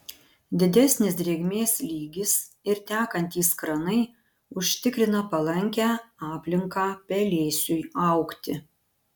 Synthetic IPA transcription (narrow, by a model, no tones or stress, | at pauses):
d̪ʲɪd̪ʲɛsʲnʲɪsd̪ʲɾʲeːɡmʲeːslʲiːɡʲɪs | ɪɾt̪ʲæːkɐnʲt̪ʲiːskɾɐnɐɪ | ʊʃʲt̪ʲɪkɾʲɪnɐpɐlˠɐŋʲkʲæːɑːpʲlʲɪŋkɑːpʲɛlʲeːsʲʊjɐˑʊkt̪ʲɪ